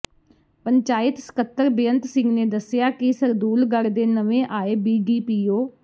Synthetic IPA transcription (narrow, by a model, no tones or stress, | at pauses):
pəɲt͡ʃaːɪt̪sə̥kət̪ːəɾbɪjənt̪sɪ̃ŋɡneːd̪əsɪjaːkɪsəɾd̪uːlɡəɽd̪eːnəʋẽːʔaːeːbiːɖiːpiːoː